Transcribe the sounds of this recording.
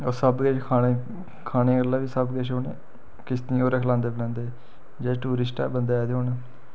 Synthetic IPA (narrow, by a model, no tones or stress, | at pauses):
oːsəbɡɛʃkʰaːneː | kʰaːneːɡəlːaːʋiːsəbɡɛʃoːnḛː | kɪst̪nĩːoːɾəkʰlãːnd̪eːblãːnd̪eː | d͡ʒɛːʈuːɾɪsʈa̰bənd̪eːaːd̪eːɦoːneː